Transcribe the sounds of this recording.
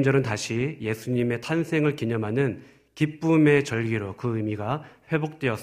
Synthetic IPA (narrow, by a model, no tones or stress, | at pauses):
md͡ʑʌɾɯntaɕʰije̞sʰuɲime̞tʰansʰe̞ŋɯɭkiɲʌmɦanɯn | kip͈ume̞t͡ɕʌɭɡiɾokɯɯmiɡaɸwe̞bok̚t͈we̞ʌs͈ʌ